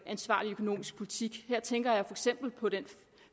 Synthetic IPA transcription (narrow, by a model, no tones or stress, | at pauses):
ʔænsʋɑ̈ːliøkʰo̝no̝̰ːmisɡ̥pʰo̝lit͡sʰiɡ̥heɐ̰t͡sʰeŋɡ̥ɐjɑ̈ɪfɒeɡ̥sem̰b̥l̩pʰɒ̽ɾ̥en